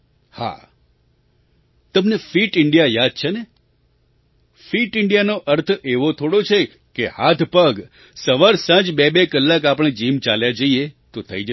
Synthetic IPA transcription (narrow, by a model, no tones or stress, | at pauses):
ha̰ | t̪əmnefiʈɪɳɖijajad̪̚t͡ʃʰene | fiʈɪɳɖijanoʔəɾt̪ʰeʋot̪ʰoɽot͡ʃʰe | kehat̪ʰpəɡ | səʋaɾsãd͡ʒbebekəlːakapəɽ̃ed͡ʒimt͡ʃaljad͡ʒəiet̪ot̪ʰə̰id͡ʒə